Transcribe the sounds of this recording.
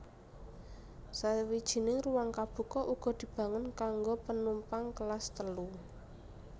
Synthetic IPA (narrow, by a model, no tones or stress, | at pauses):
sawid̥ʒ̥i̤nɪŋruwaŋkab̥ṳkɔʔuɡ̥ɔ̤d̪̥i̤b̥a̤ŋənkaŋɡopənumpaŋkəlast̪əlu